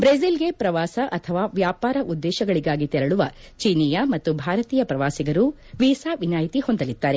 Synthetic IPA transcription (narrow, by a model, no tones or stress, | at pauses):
bɾezilɡe̞pɾɐʋaːsɐʔɐt̪ʰɐʋaːʋjaːpaːɾɐʔud̪ːɛːʃɐɡɐɭiɡaːɡit̪ɛɾɐɭuʋɐ | t͡ʃiːnijɐmɐt̪ːubʱaːɾɐt̪iːjɐpɾɐʋaːsiɡɐɾu | ʋiːsaːʋinaːjt̪iho̞nd̪ɐlid̪ːaːɾe̞